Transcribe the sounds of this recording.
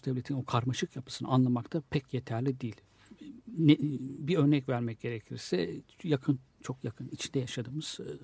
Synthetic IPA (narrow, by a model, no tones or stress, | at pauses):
d̪ɛvlʲet̪ʰino̞kʰaɾmaʃɯkjapʰɯ̥sɯnɯ̰anlˠamakt̪ʰapʰɛcjet̪ʰæɾlʲid̪iːlʲ | ɛbiø̞ɾnɛcvæɾmɛc̚ɟ̥e̞ɾecʰiɾsɛjakʰɯn | t͡ʃʰo̞kjakʰɯnit͡ʃʰind̪ɛjaʃad̪ɯːmɯz̥